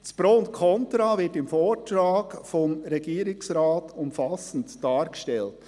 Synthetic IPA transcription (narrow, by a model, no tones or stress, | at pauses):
d̥spɾoːnkʰɔntɾavɪtɪmfoːɾtɾaːɡfɔmɾɛɡiːɾɪksɾɑːtʊmfɑsən̩td̥ɑːɾɡ̥əʃtɛlt